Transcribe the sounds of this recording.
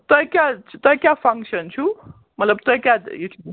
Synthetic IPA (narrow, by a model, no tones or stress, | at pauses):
t̪ɔjkjaut̪oikjapʰʌŋkʃənt͡ʃʰu | mət̪ləb̚t̪əjkjajuʈʰ